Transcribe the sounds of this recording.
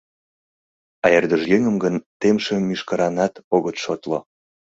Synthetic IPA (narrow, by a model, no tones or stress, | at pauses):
ɑjerd̪əʒjeŋəmɡənt̪emʃemyʃkəɾɑnɑt̪oɣət̪ʃot̪lo